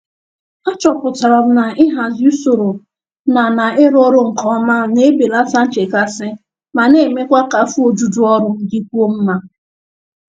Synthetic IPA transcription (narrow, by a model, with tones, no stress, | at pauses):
a˦t͡ʃɔ˨pʊ˨ta˨ɾɔ˨m̩˦na˨ʔɪ˦ɦa˨zi˦u˦so˨ɾo˨ | na˨na˨ɪ˦ɾɔ˦ɾʊ˦ŋ̩˨kɔ˦ma˦ne˦be˨la˦sa˦n̩˦t͡ʃe˨ka˦sɪ˦ | ma˨ne˦˨me˦kʷa˦ka˨˦fu˦o˨d͡ʒu˦du˦ɔ˦ɾʊ˦ŋ̩˨di˦kʷu˦o˦m̩˦ma˦